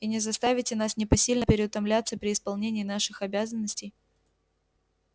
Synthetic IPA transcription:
inʲɪzɐst̪avʲɪtʲɪnasnʲɪpɐsʲilʲnəpʲɪɾʲɪʊt̪ɐmlʲat̪sːəpɾʲɪɪspɐlˠnʲenʲɪːn̪aʂɨxɐbʲazənːəsʲtʲɪj

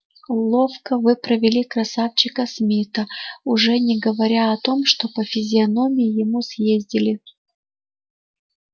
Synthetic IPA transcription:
lˠo̞fkəvɨpɾəvʲɪlʲikɾɐsaft͡ɕɪkəsmʲit̪əʊʐɛnʲɪɡəvɐɾʲaɐt̪o̞mʂt̪o̞pəfʲɪzʲɪɐno̞mʲɪjɪjɪmusjezʲdʲɪlʲɪ

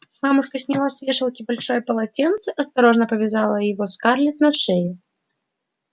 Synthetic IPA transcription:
mamʊʂkəsʲnʲɪlˠasʲvʲeʂɨlˠkʲɪbɐlʲʂojpɐlˠat͡sʲent̪sɨʔɐst̪ɐɾoʐnəpəvʲɪzalˠəjɪvɔskarlʲɪt̪nɐʂɛjɪ

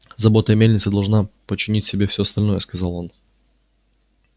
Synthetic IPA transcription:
zɐbo̞t̪əjmʲelʲnʲɪt̪sɨd̪ɐlˠʐnapət͡ɕːɪnʲitʲsʲɪbʲefsʲoɐst̪ɐlʲnojəskɐzalˠo̞n

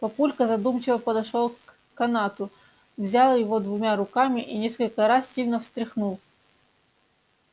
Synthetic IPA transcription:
pɐpulʲkəzɐd̪umt͡ɕɪvəpəd̪ɐʂolˠk | kːɐnat̪ʊ | vzʲalˠəjɪvo̞d̪vʊmʲaɾʊkamʲɪʔinʲe̞skəlʲkəɾassʲilʲnəfst̪ɾʲɪxnulˠ

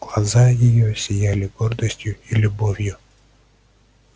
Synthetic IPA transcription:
ɡ̥lˠazajɪjosʲɪjælʲɪɡord̪əsʲtʲjʊilʲʊbovʲjʊ

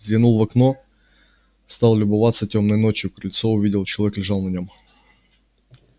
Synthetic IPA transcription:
zʲɐnulˠvɐkno | st̪ɑlˠlʲʊbʊvat̪sɐtʲomnɐjnot͡ɕjʊkɾʲɪlʲt̪soʊvʲidʲɪlˠt͡ɕɪlˠɐvʲɛklʲɪʐɑlˠnɐnʲom

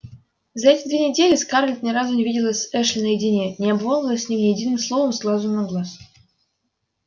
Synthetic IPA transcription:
zaɛtʲed̪vʲenʲedʲelʲesʲkɑrlʲt̪ʲnʲerɑzunʲevʲidʲilʲˠəsʲɘʃlʲɪnəjidʲinʲenʲeabvolˠəlʲˠəsʲnʲemnʲejedʲinɨmslˠovəmslˠɑzunɑɡlˠɑs

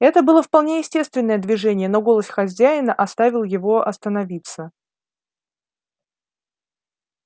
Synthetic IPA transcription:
ɛt̪əbɨlˠəfpɐlˠnʲejɪsʲtʲe̞st̪vʲɪnːəjəd̪vʲɪʐɛnʲɪjəno̞ɡo̞lˠəsʲxɐzʲæɪnəʔɐst̪avʲɪlˠjɪvo̞ʔɐst̪ənɐvʲit̪sə

